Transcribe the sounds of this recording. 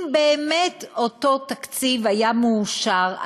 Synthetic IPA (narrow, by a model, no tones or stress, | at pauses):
mbeːmetoto̞takt͡sivhajamuːʃaʁ